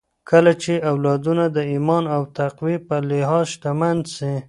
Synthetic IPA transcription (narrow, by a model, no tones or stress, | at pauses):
kʰəlat͡ʃeawlɑd̪unad̪əimɑnawt̪aqwipəlɪɦɑzʃt̪amand̪si